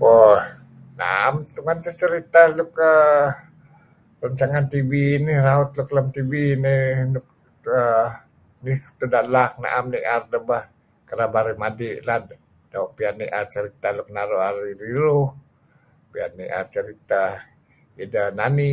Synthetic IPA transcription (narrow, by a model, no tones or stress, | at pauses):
bo | na̰amt̪uŋant̪ət͡ʃəɾit̪alʊkə | rəɲt͡ʃaŋant̪ibinihraʊt̪lukləmt̪ibininʊk̚ | ə | niht̪udaʔlak̚na̰ʔamniʔardəbah | kəɾabaɾimadɪʔlad | dauʔpianiʔat͡ʃəɾit̪aluk̚naɾuaɾiɾiɾʊh | pia̰niʔa̰t͡ʃəɾit̪a | idanani